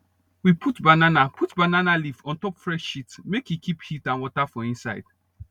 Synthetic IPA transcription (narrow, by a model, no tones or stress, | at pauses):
wipʰutbananapʰutbananalifɔ̃ntɔpfɹɛʃʃitmekhikiphitãnwɔtafɔ̃ĩnsaɪd̥